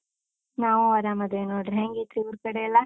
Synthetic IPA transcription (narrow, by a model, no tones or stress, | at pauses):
naːʋuɐɾaːmɐd̪enoːɖɾɦeŋɡet̪ɾiuɾkɐɽeɐlːɐ